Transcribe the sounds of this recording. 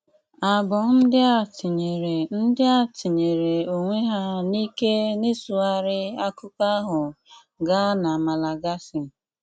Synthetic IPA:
a˨bɔ˨n̩˦dɪ˦a˦˨ti˨ɲe˨ɾe˨n̩˦dɪ˦a˦ti˨ɲe˨ɾe˨o˨ŋʷe˦ɦa˦ni˦ke˦nɪ˦su˨a˦ɾɪ˦a˦kʊ˦ka˦ɦʊ˨ | ɡa˦na˨ma˨la˨ɡa˦sɪ˨

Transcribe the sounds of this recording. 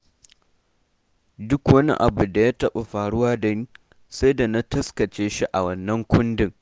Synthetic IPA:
dʊ˦kwɐ˦nḭ˦ʔa̰˨bu˨da˨jaː˦tɐ˦ɓa˨ɸaː˨ɽʊ˦waː˦dɐ˦ɲ˦ | sɐ˦jda˨na˦tɐ˦skɐ˨t͡ʃeː˦ʃi˦ʔa˨wɐ˨nːɐ˦ŋkʷʊ˦ndɪ˦ŋ

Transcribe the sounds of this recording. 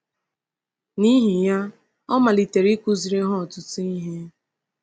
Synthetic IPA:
ni˦ɦi˨ja˦ | ɔ˦ma˨li˨te˨ɾi˦kʷu˦zi˨ɾe˦ɦʊ˦ɔ˨tʊ˦tʊ˦i˦ɦe˦

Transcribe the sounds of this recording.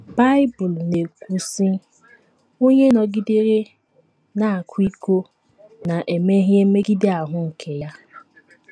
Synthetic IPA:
ba˦ɪ˦bʊ˨lne˨kʷu˦si˦ | o˦ɲe˦nɔ˨ɡɪ˦de˦ɾe˦ | na˨a˨kʷi˦ko˦ | na˨ʔe˨me˦ɦje˦me˦ɡi˦de˦a˨ɦʊ˦ŋ̩˨kʰe˨ja˦

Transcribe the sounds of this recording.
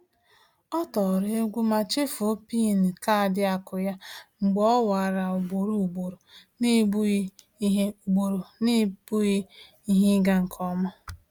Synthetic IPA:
ɔ˦tɔ˨ɾe˦ɡʷu˦ma˨t͡ʃɪ˦fo˦pi˦˨ni˨ka˦˨dɪ˦a˨kʊ˨ja˦ŋ͡m̩˨ɡ͡bɔ˦wa˨a˨ɾa˨ʊ˨ɡ͡bo˨ɾu˨ɡ͡bo˨ɾo˨ne˦b | ɡ͡bo˨ɾo˨ni˦bu˦ɣɪ˦ | i˦ɦe˦ɡa˦ŋ̩˨kʰɔ˦mɔ˦

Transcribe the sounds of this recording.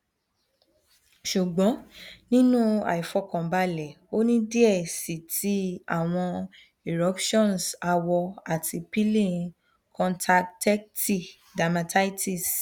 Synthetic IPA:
ʃu˨ɡ͡bɔ̃˨˦nĩ˦nũ˦a̰˨i˨fɔ˧kɔ̃˨ba˦lɛ˨ | o˦nĩ˦di˦ɛ˦˨si˨tʰi˨˦a̰˦˨w̃ɔ̃˧ | e˨ɾɔ˨˦pʃɔ̃˦˨nsa˧wɔ˧a˨tʰi˧pi˦lẽ˦˨ | kʰɔ̃˧ntʰa˧ktɛ˦kti˦˨ | da˨mã˧ta˦i˦ti˦˨s

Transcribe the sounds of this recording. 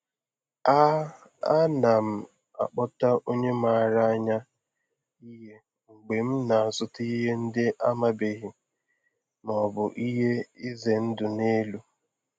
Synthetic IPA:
a˦na˨m̩˨ | a̰˨k͡pɔ˦ta˦ʔo˦ɲe˦m˦a˨a˦˨ɾa˦a˦ɲa˦ | i˦ɦe˦ | ŋ͡m̩˨ɡ͡be˨m̩˦na˨a˨sʊ˦ti˦ɦe˦n̩˦dɪ˦ʔa˦ma˦be˨ɦɪ˨ | nɔ˨bʊ˨ʔi˦ɦe˦i˦ze˨n̩˦dʊ˨ne˦lu˦

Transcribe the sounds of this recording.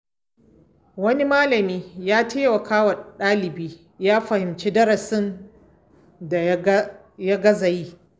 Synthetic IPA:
wɐ˦ni˦maː˦lɐ˨miː˦jaː˦tʰeː˦wɐ˨kaː˦wɐ˨ɗaː˦lɪ˨biː˦ | jaː˦ɸɐ˨hɪ˨mt͡ʃeː˦dɐ˦ɾɐ˨sɪ˦n | da˨ | ja˦ɡɐ˦za˨jiː˦

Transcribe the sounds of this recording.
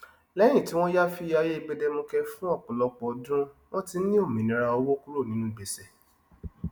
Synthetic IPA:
lɛ˦j̃ĩ˦˨ti˨˦w̃ɔ̃˦ja˦fi˧˦ja˧je˦i˧ɡ͡be˧de˧mũ˧kɛ˧fũ˦ɔ˦˨k͡pɔ˨lɔ˧k͡pɔ˨dũ˦w̃ɔ̃˦ti˧˦nĩ˦o˦˨mĩ˨nĩ˨˦ɾa˧o˧wo˦ku˦ɾo˦˨nĩ˨˦nũ˦˨ɡ͡be˨sɛ˦˨

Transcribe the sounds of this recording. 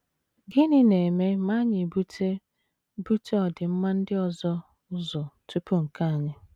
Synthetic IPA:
ɡɪ˦nɪ˦ne˨me˦ma˦ɲɪ˨bu˦te˦ | bu˦te˦ɔ˨dɪ˨m̩˦ma˦n̩˦dɪ˦ɔ˨zɔ˦ | ʊ˦zɔ˨tu˦pu˦ŋ̩˨ka˦a˨ɲɪ˦

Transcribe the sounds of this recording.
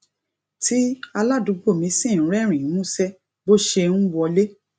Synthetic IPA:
ti˦a˧la˦du˨˦ɡ͡bo˦˨mĩ˧˦sĩ˦˨˦ɾɛ˦˨ɾ̃ĩ˨˦mũ˦sɛ˦ | bo˦ʃe˧ñ̩˦wɔ˧le˦

